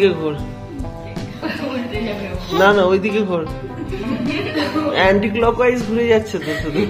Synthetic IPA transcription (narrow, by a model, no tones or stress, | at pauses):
keɡʱoɾ | nanaojd̪ikeɡʱoɾ | ɛɳʈiklɔkajsɡʱuɾed͡ʑatːɕʰet̪et̪ud̪i